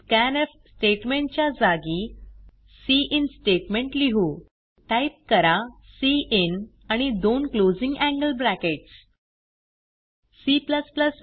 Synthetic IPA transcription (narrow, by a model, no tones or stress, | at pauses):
kænefsʈeʈmẽɳʈt͡ɕjad͡zaɡi | siʔinsʈeʈmẽɳʈliɦu | ʈajp̚kəɾasiʔin | añid̪onklod͡zĩŋɡæ̃ŋɡəlbɾækeʈs | sipləspləs